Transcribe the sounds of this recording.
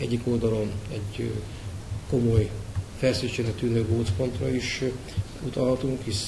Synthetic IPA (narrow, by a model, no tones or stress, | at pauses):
ɛɟːiko̞ld̪ɒlo̞nɛɟ | ko̞mo̞jfɛlsit͡ʃɛlɛt̪ːynøɡoːt̪po̞nt̪rɒiʃ | ut̪ɒlɦɒt̪uŋkhiʃ